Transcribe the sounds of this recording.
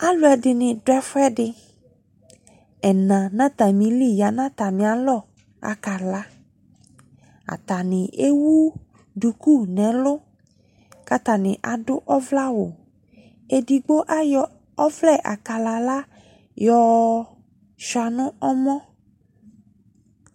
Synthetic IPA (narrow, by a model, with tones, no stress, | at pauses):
a˦lʊ˨˦ɛ˨dɪ˨nɪ̃˨dʊ˦ɛ˦fɛ˦dɪ˨ | ɛ˨nã˨nã˦t̪a˨mĩ˨li˦ja˨nã˦t̪a˨mĩ˨a˨˦lɔ˦˨ | a̰˨ka˨la˦ | a̰˨t̪a˨nɪ̃˨e˦wu˦ | du˨ku˦˨nɛ̃˨lʊ˦ | ka˦t̪a˨nɪ̃˨ʔa˨dʊ˦ʔɔ˦vla˦wo˨ | e˦di˨ɡ͡bo˦ʔa˦jɔ˨ | ɔ˦vlɛ˦˨ʔa̰˨ka˨la˨la˦ | jɔ˨ | ʃa˨nʊ̃˦ɔ˦mɔ̃˦